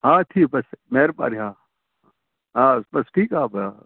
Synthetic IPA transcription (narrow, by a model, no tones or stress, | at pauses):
ɦãːt̪ʰiːk̚bɐsmeːɾpa̰ːɾɦãː | ɦãːsbɐsʈʰiːkɦãːba